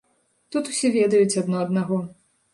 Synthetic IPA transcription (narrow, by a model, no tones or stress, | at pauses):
t̪ut̪u̥sʲɛvʲɛd̪ɐjut͡sʲɐd̪nɔɐd̪naɣɔ